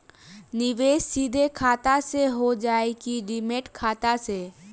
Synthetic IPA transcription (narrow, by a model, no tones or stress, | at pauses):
nɪʋeːʃsid̪ʱekʰaːt̪aseɦod͡ʒaːekiɖɪmeʈkʰaːt̪ase